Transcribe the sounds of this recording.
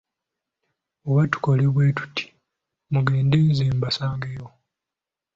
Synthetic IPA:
oβatu̥ko̞leβweːtu̥tʰːi̥ | muɡe̞ːndeːnziːmbasaːŋɡejo

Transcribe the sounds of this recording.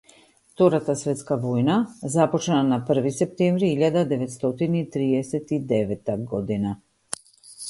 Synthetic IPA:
ft̪ɔɾat̪asvɛt̪skavɔjnazapɔt͡ʃnanapr̩visɛp̚t̪ɛmvɾiiʎad̪ad̪ɛvɛt̪st̪ɔt̪init̪ɾiɛsɛt̪id̪ɛvɛt̪ːaɡɔd̪ina

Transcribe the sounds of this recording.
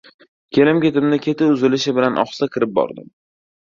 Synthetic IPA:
kʲʰe̞lɪmkʲe̞t̪ɪmnɪkʲʰe̞t̪ʰɪʊzɪlɪʃɪbɪlanʔɒ̰χsakʲʰɪɾɪp̚bɒ̰ɾd̪ɪ̰m

